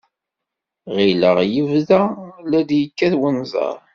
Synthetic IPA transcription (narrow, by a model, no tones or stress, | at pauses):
ʁilə̰ʁjəvðælæd̪jəkːæθwənzˤɑ̰ɾˤ